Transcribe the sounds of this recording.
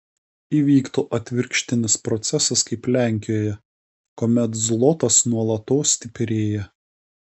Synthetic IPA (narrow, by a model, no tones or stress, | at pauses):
iːʋʲiːkt̪oːʔɐt̪ʲʋʲɪɾʲkʃʲt̪ʲɪnʲɪspɾɔt̪sʲɛsɐskɐɪplʲæˑŋʲkʲɪjoːjɛ | koːmʲɛt̪zlˠɔt̪ɐsnuɔlˠɐt̪oːsʲt̪ʲɪpʲɾʲeːjɛ